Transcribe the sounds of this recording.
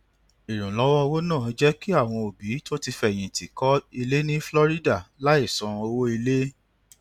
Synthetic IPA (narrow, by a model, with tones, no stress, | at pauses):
i˨ɾ̃ũ˨lɔ˨˦wɔ˦wo˦nãː˦˨˦d͡ʒɛ˦ki˦a˦˨w̃ɔ̃˧o˨bi˨˦to˦ti˧fɛ̃˦˨ĩ˨ti˨kɔ˨˦i˧le˦nĩ˦flɔ˦ɾi˦da˦˨la˦i˦˨sɔ̃˨˧o˧wo˦i˧le˦